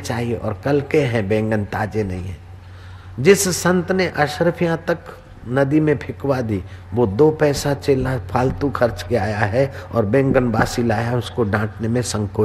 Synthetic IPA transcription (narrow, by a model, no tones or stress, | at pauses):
t͡ʃaːɦieʔɔ̰ːɾkɐlkeɦɛ̃bẽːŋɡənt̪aːd͡ʒenɐɦĩɦɛ̃ː | d͡ʒɪsːɐ̃nt̪neʔɐʃɾəpʰijãt̪ək | nɐd̪imẽpʰɪkwad̪iʋod̪oːpɛːsat͡ʃeːlapʰaːlt̪ukʰxɐɾt͡ʃkijaːjaɦɛɔ̰ːɾbẽːŋɡənbaːsilaːjaʊskoɖãːʈnemẽsə̃ŋkoː